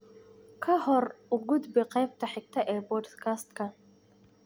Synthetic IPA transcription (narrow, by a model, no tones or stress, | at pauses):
kʰɐhɔɾʊɡʊd̪bɪqɛjb̚t̪ʰɐħɪk̚t̪ʰɐʔɛːbɔɖskʰast̪kɐ